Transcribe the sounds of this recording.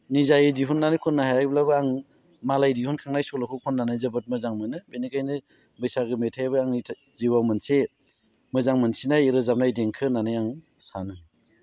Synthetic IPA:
nizajɯdiɦunːanɯjkʰɔnːaɦajajblabɯaŋ | malajdihunkʰaŋnajsɔlakʰukʰɔnːanajzɯbɯt̚mɯzaŋmɯnɯbenikajnɯ | bɯjsaɡɯmetʰajβɯaŋitʰ | ziwawmɯnse | mɯzaŋmɯnsinajɾɯzam̚najdeŋkʰɯnanajaŋ | sanɯ

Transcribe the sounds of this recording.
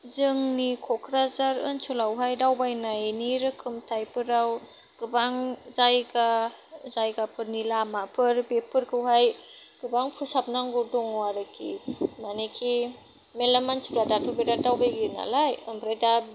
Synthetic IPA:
zɯŋnikʰɔkʰɾazaɾɯ̰nsɔlawɦajdawbajnaeniɾɯkʰɯmtʰajpʰɯɾaw | ɡ̥ɯbaŋzajɡa | zajɡapʰɯɾnilamapʰɯɾbepʰɯɾkʰɯwɦaj | ɡ̥ɯbaŋpʰusap̚naŋɡudɔŋwaɾɯkʰḭmanekʰi | melamant͡ʃʰuadatʰɯbedadawbajɡina̰lajɯmbɾajda

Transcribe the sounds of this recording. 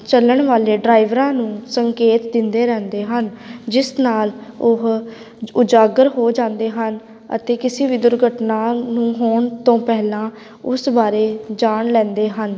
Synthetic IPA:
t͡ʃələɳʋaːleːɖɾaːɪʋɾãːnũːsəŋkeːt̪d̪ɪnd̪eːɾɛ̃ːnd̪eːɦənd͡ʒɪsnaːlʊɦ | ʊd͡ʒaːɡəɾɦoːd͡ʒãːnd̪eːɦən | ə̰t̪eːkɪseːʋiːd̪ʊɾɡʱəʈnaːnũːɦoːɳt̪õːpɛɦlãː | ʊsbaːɾeːd͡ʒaːɳlɛ̃ːnd̪eːɦən

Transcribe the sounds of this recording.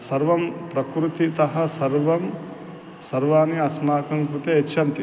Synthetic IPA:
sɐɾʋɐmpɾɐkɾut̪it̪ɐɦɐ̆sɐɾʋɐm | sɐɾʋaːniɐsmaːkɐmkɾut̪eet͡ʃːʃʰɐnt̪i

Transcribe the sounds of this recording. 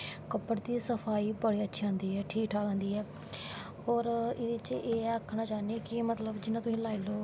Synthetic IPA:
kəpːəɽd̪iːsəpʰaːiːbəɽiːətːʃʰiːãːnd̪iːɦɛːʈʰiːkʈʰaːkãːnd̪iːɦɛː | ɔːɾɪd̪iːt͡ʃʔeːəkʰːɳaːt͡ʃaːnieːkɪmət̪ləbd͡ʒɪnãt̪ʊsĩːlaːiloː

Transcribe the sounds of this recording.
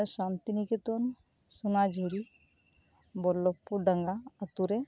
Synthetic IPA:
sant̪iniket̪ɔn | sunad͡ʒʱuɽi | bɔlːɔpːuɖaŋɡaːt̪uɾe

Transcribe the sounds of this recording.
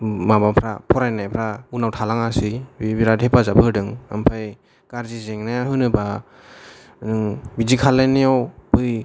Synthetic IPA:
mabapʰɾa̰pʰɔɾajnajpʰɾaunawtʰalaŋasibbiɾadepazapʰɯɾdɯŋa̰mpʰaj | ɡ̥aɾzizeŋnajaɦɯnɯba | nɯŋbizikʰalenijawbɯj

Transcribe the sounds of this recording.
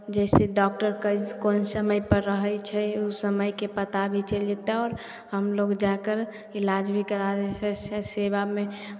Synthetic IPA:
d͡ʒɛseɖɔk̚ʈəɾkəkonsəməjpəɾːəɦəjt͡ʃʰɛusəməjkepət̪abʱit͡ʃəld͡ʒet̪eɔːɾ | ɦəmloɡd͡ʒakəɾ | ilad͡ʒbʱikəɾaɾet͡ʃʰɛsɛseβame

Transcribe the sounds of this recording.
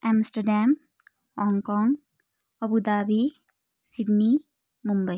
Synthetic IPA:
ɛmsʈəɾɖam | hɔŋkɔŋ | ɔbud̪abi | sidni | mumbəj

